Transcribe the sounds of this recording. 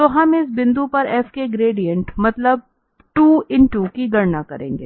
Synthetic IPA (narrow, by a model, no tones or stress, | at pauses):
t̪oːɦɐmɪsbɪ̃nd̪upɐɾɛːfkeɡɾeːɖijə̃ɳʈmɐt̪ləb̚ | ʈuːɪ̃ɳʈuːkiɡɐɾnakɐɾḛ̃ːŋɡḛː